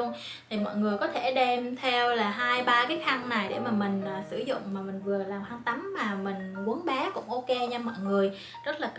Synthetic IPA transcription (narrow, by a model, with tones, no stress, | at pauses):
ən | t̪ʰi˨˩mɔ̰˧˨jŋɨ˨˩əjkɔ˨˦t̪ʰe˧˩ɗɛ˧mt̪ʰɛ˧wlaː˨˩ɦaː˧jɓaː˧kaː˨˦jxa˧ŋna˨˩jɗḛ˧˩maː˨˩mï˨˩ŋ̟aː˨˩sɨ˧˩zʊ̰˧˨ŋ͡mmaː˨˩mï˨˩ŋ̟vɨ˨˩əlaː˨˩mhaː˧ŋt̪a˨˦mːaː˨˩mï˨˩ŋ̟ku˨˦ənɓɛː˨˦kʊ̰˧˥ŋ͡mʔo˧ke˧ɲa˧mɔ̰ː˧˨jŋɨ˨˩əj | zə˦˥t̚laː˨˩k